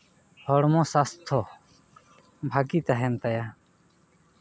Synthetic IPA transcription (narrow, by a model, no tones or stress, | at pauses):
hɔɽmɔ̃sast̪ʰɔ | bʱaɡit̪aɦɛnt̪aja